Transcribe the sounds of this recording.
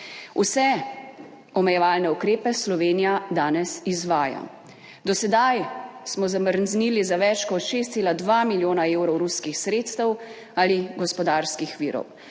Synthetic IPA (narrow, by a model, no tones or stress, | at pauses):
usɛ | ɔmɛjɛʋaːlnɛukɾeːpɛslɔʋeːnijad̪aːnɛsizʋaːja̰ | d̪ɔsɛd̪ajsmɔzaməɾnzniːlizaʋɛt͡ʃkɔt̪ʃeːs̬t̪seːlad̪ʋaːmiljoːnaeːwɾɔwɾuskixsɾeːt̪st̪ɛw | aliɡɔspɔd̪aːɾskixʋiːɾɔ̰w